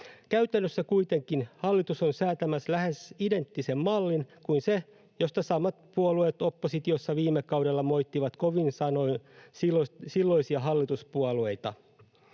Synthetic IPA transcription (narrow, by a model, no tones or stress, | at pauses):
kæyt̪ænːøsːækuit̪e̞ŋkinhɑlːit̪uso̞nsæːt̪æmæslæhe̞side̞nt̪ːise̞mmɑlːinkuinse | jo̞st̪ɑsɑmɑt̪̚puɑluet̪opːosit̪josːɑʋiːmːekɑwde̞lːɑmo̞jt̪ːiʋɑt̪koʋinsɑno̞isiosilːo̞isiɑɦɑlːit̪uspuɑlue̞jt̪ɑ